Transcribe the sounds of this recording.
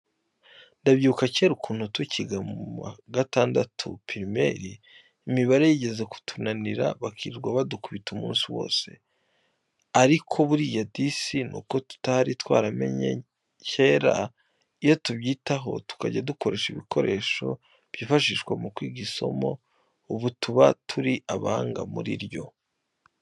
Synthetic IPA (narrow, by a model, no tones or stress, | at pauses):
ndabjuukace̞ːɾukʰuːn̥hutwicʰiɡamuma̰ɡataːndatʰṵpʰiɾime̞̰ɾiː | miβaɾe̞jiɟe̞ze̞ku̥tʰunaniɾa̰βakʰiːiɾɡwaβadukuβitumuːnsiwo̞̰ːse̞̥̰ | aɾikʰo̞βuɾijadisinṵko̞tu̥tahaɾitwaːɾame̞̰ɲe̞̰ | cʰe̞ːɾa̰ | ijo̞tuβɟiːtaɦo̞̰tu̥kaɟaduko̞ɾe̞ːʃiβikʰo̞ɾe̞ːʃo̞ | β̥jiːfaʃiʃkwamukwiːɡiso̞̰mo̞̰ | uβutʰuβatʰuɾiʔaβaŋɡa̰muɾḭɾjo̞̰